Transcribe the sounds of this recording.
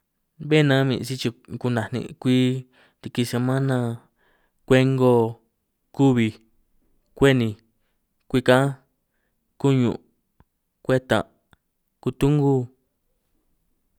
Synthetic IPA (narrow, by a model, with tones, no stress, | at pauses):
βe˦˨nã˦mĩ˧ʔsi˦t͡ʃi˧ku˧nã˨nḭ̃˧˨˧kʷi˦ | t̪i˧ki˧se˧mã˦nã˧ | kʷe˦ŋɡo˦˧ | ku˦βi˧ | kʷe˦nĩ˧ | kʷi˦˧kã˦ | ku˦ɲṵ̃˧˨ʔ | kʷe˦t̪ã̰˨ | ku˧t̪u˦ŋɡu˦